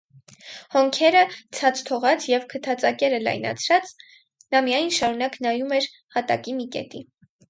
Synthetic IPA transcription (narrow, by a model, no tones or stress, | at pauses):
hɔŋkʰɛɾət͡sʰɑt͡sʰt̪ʰɔʁɑt͡sʰjɛvkʰət̪ʰɑt͡sɑkɛɾəlɑ̰jnɑ̰t͡sʰɾɑt͡s | nɑmijɑjnʃɑɾunɑknɑjumɛɾ | hɑt̪ɑ̰kimikɛ̰t̪i